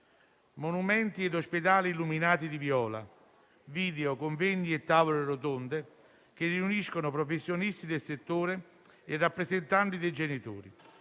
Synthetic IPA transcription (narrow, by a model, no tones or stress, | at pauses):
monumɛnt̪iɛd̪osped̪aːliːlːuminaːt̪id̪ivjɔːla̰ | viːd̪eokoɱvenːiɛt̪ːaːvoleɾot̪ond̪e | k̟ɪrːiuniskonʊpɾofesːjonist̪id̪elset̪ːoːɾeː | rːapːɾezent̪anʈ̪id̪ejd͡ʒenit̪o̰ːɾḭ